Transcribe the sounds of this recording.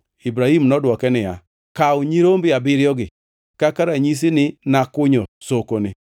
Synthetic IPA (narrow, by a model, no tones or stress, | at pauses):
ibɾahimnɔdwɔkɛnɪja̰ | kaʊɲiɾombɪabɪɾjɔɡɪ | kakaɾaɲis̬inɪnakʊɲɔsokonɪ